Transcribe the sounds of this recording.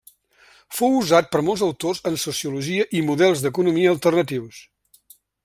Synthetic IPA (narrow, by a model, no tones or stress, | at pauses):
fowuzat̪̚pəɾmolˠzəwt̪ozənsusiuluʒiəʔimuðɛlˠzðəkunumiəːlˠt̪ərnət̪iws